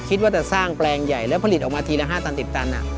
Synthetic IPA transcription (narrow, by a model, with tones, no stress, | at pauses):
kʰi˦˥t̪̚waː˥˩t͡ɕa˨˩saː˥˩ŋplɛː˧ŋja˨˩jlɛː˦˥wpʰa˧li˨˩ʔɔː˨˩maː˧t̪ʰiː˧lɛ˦˥ɦaː˥˩t̪a˧nt̪i˨˩t͡ɕa˧nʔa̰˨˩